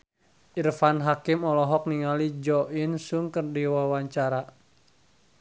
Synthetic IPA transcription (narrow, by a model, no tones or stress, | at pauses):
ʔirfanɦakimɔlɔɦɔk̚niŋalid͡ʒɔʔinsuŋkərdiwawaɲt͡ʃaɾa